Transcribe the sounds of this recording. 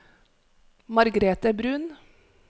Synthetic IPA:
mɑɾɡɾeːt̪əbɾʉːn

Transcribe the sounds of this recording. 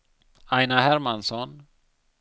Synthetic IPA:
ajnaɦæɾmansɔn

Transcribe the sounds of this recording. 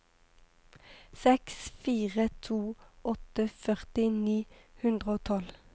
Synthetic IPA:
sɛksfiːʁət̪ʰuːɔt̪əfœʁt̪ɪniːhʉnd̪ʁəoːt̪ʰɔl

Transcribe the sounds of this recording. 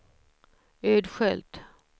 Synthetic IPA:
ød̪ɧɛlt̪

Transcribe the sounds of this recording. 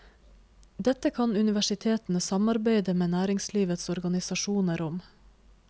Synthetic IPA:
d̪ɛt̪əkʰɑnʉnɪʋæʃɪt̪ʰeːt̪n̩əsɑmɑɾbeɪd̪əmeːnæːɾɪŋsliːʋət̪sɔɾɡɑnɪsɑʃuːnəɾʊm

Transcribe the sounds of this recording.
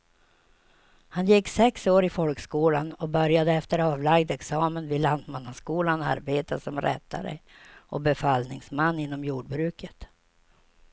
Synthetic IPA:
hanjɛkːsɛksoːɾɪfɔlkskuːlanɔbœɾjad̪əɛft̪əɾɑːvlaɡd̪ɛksɑːmənvɪland̪manːaskuːlana̰ɾbeːt̪asɔmɾɛ̰t̪ʰːa̰ɾə̰ʔɔbɛfalnɪŋsmanːɪnːɔmjuːɖ̚bɾʉ̟ːkʰət̪

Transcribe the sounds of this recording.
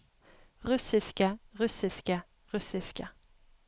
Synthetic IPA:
ʁʉsɪskəʁʉsɪskə | ʁʉsɪskə

